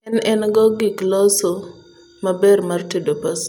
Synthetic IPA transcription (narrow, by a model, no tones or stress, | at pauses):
ɛnɛnɡɔɡɪklɔso | mabɛrmartidopas